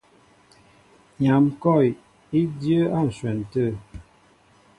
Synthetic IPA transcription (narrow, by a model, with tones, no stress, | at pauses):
ɲa˨mkɔ˦˨j | i˦djə˦a˦˨n̩˨swɛ˨n˨tə˦˨